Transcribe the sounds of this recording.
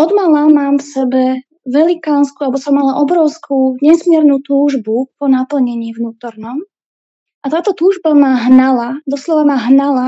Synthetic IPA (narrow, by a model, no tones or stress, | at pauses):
ʔɔd̪malamaːmfsɛbɛ | ʋɛlikaːnskualɛbɔsɔmːalaʔɔbɾɔʊskʰuːɲɛsmɪɛɾnuːt̪uːʒbupɔnapl̩ɲɛɲiːvnuːt̪ɔɾnɔm | at̪aːt̪ɔt̪uːʒbamaɦnalad̪ɔslɔʋamaɦnala